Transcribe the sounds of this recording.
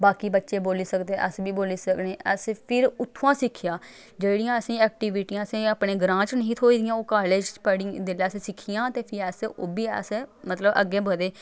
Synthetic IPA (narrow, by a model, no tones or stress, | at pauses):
baːkiːbətːʃeːboːliːsəkd̪eːʔəsbiːboːliːsəkneːəspʰɪɾʊt̪ʰːãːsɪkʰːɪjãː | d͡ʒeːɽɪjãːəsĩːɛːk̚ʈiːʋɪʈiːãːəsẽːəpɳeːɡɾãːt͡ʃnəɦĩːt̪ʰoːiːd̪ɪjãːoːkaːleːd͡ʒpəɽid̪eːlassɪkʰːijãːt̪eːpʰɪɾɛsoːbiːə̰smət̪ləbʔə̰ɡeːbəd̪eː